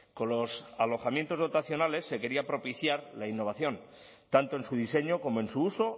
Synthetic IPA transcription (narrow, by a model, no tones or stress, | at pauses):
ko̞nlo̞salo̞xamje̞nt̪o̞zð̞ot̪aθjo̞nale̞sːe̞ke̞ɾiapɾo̞piθjaɾlainːo̞β̞aθjo̞n | t̪ant̪oensuð̞ise̞ɲoko̞mo̞e̞nsuuso̞